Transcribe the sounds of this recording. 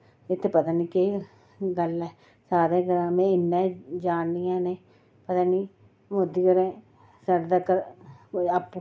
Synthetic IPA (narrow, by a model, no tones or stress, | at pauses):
ɪt̪ʰːepət̪ãːniːke | ɡəlɛː | saːɾeːkəɾãːmɛ̃ːɪnːɛ̃ːd͡ʒaːnniːãːneː | pət̪ãːniː | mʊd̪iːkəɾẽː | saɽd̪aːkəɾ | apː